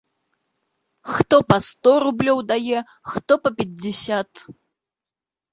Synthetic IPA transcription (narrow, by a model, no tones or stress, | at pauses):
xt̪ɔpɐst̪ɔɾublʲɔwd̪ajɛ | xt̪ɔpɐpʲɛd͡zʲɪsʲat̪